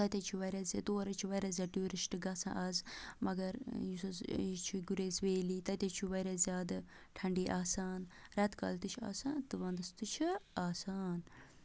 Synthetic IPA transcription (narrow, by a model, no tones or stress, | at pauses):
t̪ɐt̪ʲɐt͡ʃʰuʋɐɾɐzɐt̪oːɾɐt͡ʃʰiʋɐɾɐzʲɐːʈuːɾisʈɨɡɐsã̰ːʔɐzmɐɡɐɾjusɐzjit͡ʃʰuɡuɾeːzʋeːliːt̪ɐt̪ʲɐt͡ʃʰuʋɐɾɐzʲjaːd̪ɨ | ʈʰɐɳɖiːʔaːsaːnɾɛt̪kɐ̰ːlt̪ɨt͡ʃʰa̰ːsaːnt̪ɨʋɐnd̪ɐst̪ut͡ʃʰiaːsaːn